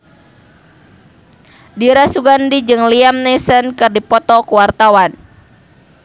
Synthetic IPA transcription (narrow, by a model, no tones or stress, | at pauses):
diɾasuɡandid͡ʒɨŋliamnɛsənkɨrdipɔt̪ɔkuwart̪awan